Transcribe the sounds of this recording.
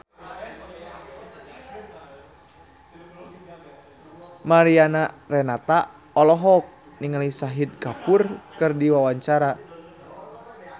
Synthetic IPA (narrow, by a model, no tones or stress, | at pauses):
maɾianarɛnat̪a | ɔlɔɦɔk̚ | niŋalisaɦid̪̚kapurkɨrdiwawaɲt͡ʃaɾa